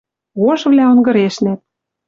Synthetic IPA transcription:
ɣoʒβlʲæonɡɤ̆ɾeʃnæt̪̚

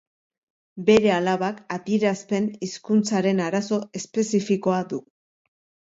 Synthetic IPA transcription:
be̞ɾe̞alaβakat̪eɾaspe̞niskunt͡saɾe̞naɾaso̞e̞spe̞sifiko̞ad̪u

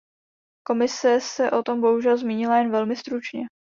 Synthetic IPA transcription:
ko̞mɪsɛsɛʔo̞t̪o̞mbo̞ɦuʒɛlzmiːɲɪlajɛnvɛlmɪst̪ɾut͡ʃɲɛ

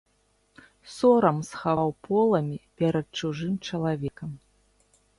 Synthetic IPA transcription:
sɔɾɐmsxavawpɔlˠɐmʲipʲɛɾɐt̪̚t͡ʂuʐɨmt͡ʂɐlˠavʲɛkɐm

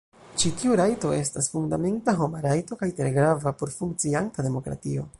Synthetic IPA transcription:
t͡ʃitiuɾajto̞e̞stasfuŋdame̞ntaɦo̞maɾajto̞kajtɾe̞ɡɾavapo̞ɾfuŋk̚t͡siantademo̞kɾa̰tio̞

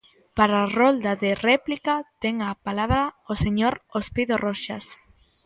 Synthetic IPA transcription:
paɾarold̪aðerɛplikat̪ɛŋapalaβɾaoseɲoɾospiðoroʃa̰s

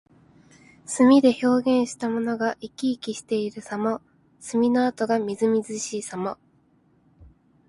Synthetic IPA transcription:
sɨmʲid̪e̞ço̞ːɡẽ̞ɰ̃ɕi̥t̪amo̞no̞ɡaʔikʲiːkʲiɕi̥t̪e̞iɾɯ̟samo | sɨmʲinoat̪oɡamʲizɨmʲizɨɕiːsamo

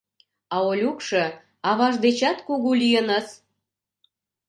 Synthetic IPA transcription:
ɑolʲukʃɤ̆ | ɑβɑʒd̪et͡ɕɑt̪kuɣulijənəs

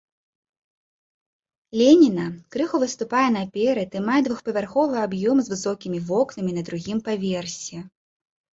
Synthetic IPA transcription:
lʲɛnʲinɐkɾɨxuvɨst̪upajɛnɐpʲɛɾɐt̪imajɛd̪vuxpɐvʲarxɔvɨabjɔmzvɨsɔkʲimʲivɔknɐmʲinɐd̪ɾuɣʲimpavʲɛrsʲɛ

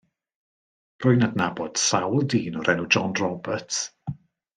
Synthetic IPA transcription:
rʊjnadnabɔd̥sawlˠdiːnɔɾʔɛnud͡ʒɔnrɔbət

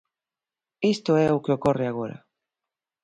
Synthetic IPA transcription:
ist̪oɛokeokoreaɣ̞oɾa̰

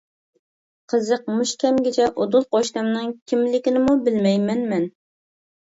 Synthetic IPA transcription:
qʰəzəq̚muʃkʲʰɛmɡʲɪt͡ʃʰɛʔod̪ʊlˠqɑʃt̪ɑmnɨŋkʲʰimlɪkʲɪnɪmubɪlmɛjmɛnmɛn

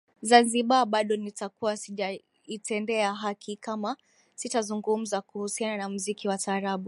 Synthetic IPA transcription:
zanziɓaɓaɗɔnitakuwasiʄa | itɛndɛaɦakʰikama | sitazuŋɡum̩zakuhusiananamuzikiwataːɾaɓu

